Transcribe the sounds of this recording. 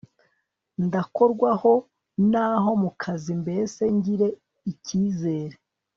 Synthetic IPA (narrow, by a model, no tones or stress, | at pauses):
ndako̞ɾɡwaho̞ | naːɦo̞mukʰazimbe̞se̞ɲɟiɾe̞ | iciːze̞ːɾe